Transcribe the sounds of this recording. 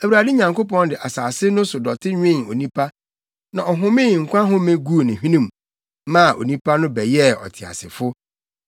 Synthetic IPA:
æ˨wu˨ɾa˨dɪ˦ɲã˨ŋko˦pɔ̃˦ndɪ˨ʔa˨saː˨sɪ˦nʊ̃˦sʊ˨dɔ˨tʰɪ˦ɲᶣ˦ẽ˦˨o̰˨nĩ˦pʰa˦ | nã˨ɔ˨ɦʊ̃˦mɪ̃˦˨ŋ̩˨kʷʰã˦ɦʊ̃˦mẽ˦ɡu˦˨nɪ̃˨ɦĩ˦nĩ˦m˨ | mã˦˨ʔo̰˨nĩ˦pʰa˦nʊ̃˦bɛ˨jɛ˦ɔ̰˨tʰɪ˨a̰˨sɪ̰˨fʊ˦

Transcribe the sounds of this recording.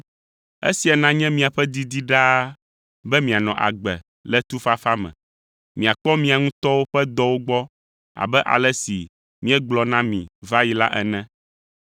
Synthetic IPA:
ḛ˦si˨a˨nã˦ɲɛ̃˦mĩ˨a˨ɸɛ˦d̪i˦d̪i˦ɖa˦ | bɛ˦mĩ˨a˨nɔ̃˨ʔa̰˨ɡ͡bɛ̰˨ | lɛ˦t̪u˦fa˦fa˦mɛ̰̃˨ | mĩ˨a˨k͡pɔ˦mĩ˨a˨ŋũ˦t̪ɔ˦wo˦ɸɛ˦d̪ɔ˦wo˦ɡ͡bɔ˦ | a̰˨bɛ˦ʔa̰˨lɛ˦sḭ˨ | mĩ˦ɛ˦ɡ͡blɔ˨nã˦mḭ̃˨va˦ji˨la˦ʔɛ̰˨nɛ̃˦

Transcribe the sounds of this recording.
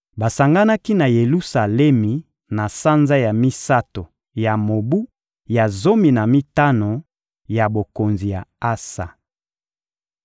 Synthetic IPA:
ba˨sa˨ŋɡa˦na˦ki˦na˨je˨lu˦sa˨lɛ˦mi˨ | na˨sa˦nza˦ja˨mi˦sa˦to˨ | ja˨mo˨bu˦ | ja˨zo˦mi˨na˨mi˦ta˦no˨ | ja˨bo˨ko˨nzi˨ja̰˨a˦sa̰˨

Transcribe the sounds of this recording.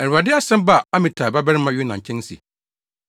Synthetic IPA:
ɛ˨ɾa˨dɪ˦a˦sɛ̃˦m˦ba˦˨a˦mɪ̃˨tʰaː˨ba˦bɛ˦ɾɪ˦mã˨ɥɪ˦nã˨ɲ̩˨t͡ɕʰɛ̃˦n˦sḭ˨

